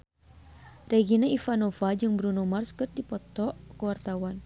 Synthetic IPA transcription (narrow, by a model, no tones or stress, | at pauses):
reɡinaifanɔfad͡ʒɨŋbɾunumarskɨr̚dipɔt̪ɔʔkəwart̪awan